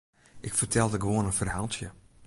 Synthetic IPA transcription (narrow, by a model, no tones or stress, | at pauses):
ʔɪkfərtʰɛlˠdəɡəʋoənənfərɦaːlˠtjə